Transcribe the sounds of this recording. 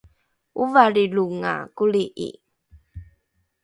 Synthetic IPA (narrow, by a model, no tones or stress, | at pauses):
uvaliluŋa̰kuliʔḭ